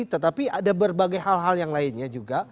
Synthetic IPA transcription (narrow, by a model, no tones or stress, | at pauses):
t̪ət̪apiadabərbaɡajɦalɦaljaŋlaɪnɲad͡ʒuɡa